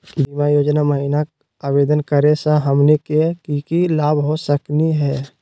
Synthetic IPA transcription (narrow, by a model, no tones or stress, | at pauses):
bimajoːd͡ʒnaməɦiːna | aːbeːd̪ənkəɾesə̃ɦəmnekekikilaːbɦosəkniɦɛː